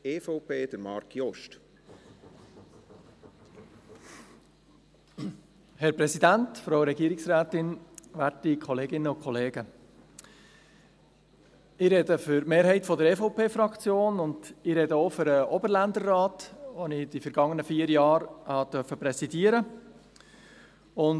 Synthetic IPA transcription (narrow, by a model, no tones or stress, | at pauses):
eːfɔʊpʰeːd̥əɾmɑ̰ɾkʰjɔʃt | hɛɾpɾɛsidæntfɾoʊɾɛɡiəɾɪksɾæːt̪ɪnʋæɾtikʰɔleːɡɪnːəʊkχɔleːɡə | ɪɾɛdəfʏɾmeːɾɦɛɪtfɔdəɾɛfoʊpʰeːfɾɑkt͡sjoːnʊndɪɾɛdəofʏɾəʔɔbəɾlænd̪ərːɑːtʋonɪd̥ifəɾɡ̥ɑŋːənəfiːəɾjɑːɾhɑd̥̪œɾfəpɾɛsidiəɾə | ʊn